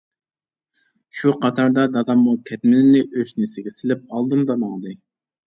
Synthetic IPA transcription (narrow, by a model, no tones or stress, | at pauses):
ʃuqʰɑt̪ʰɑɾd̪ɑd̪ɑd̪ɑmːukʲʰɛt̪mɪlɪnɪʔøʃnɪsɪɡʲɛsɪlɪp̚ɑlˠd̪ɨmd̪ɑmɑŋd̪ɨ